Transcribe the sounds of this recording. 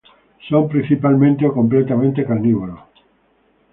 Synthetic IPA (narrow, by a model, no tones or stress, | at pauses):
sompɾĩn̟θipalmẽnt̪eokomplet̪amẽnt̪ekaniβolo